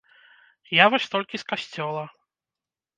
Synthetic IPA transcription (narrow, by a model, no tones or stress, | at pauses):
javɔsʲt̪ɔlʲkʲiskasʲt͡sʲɔlˠɐ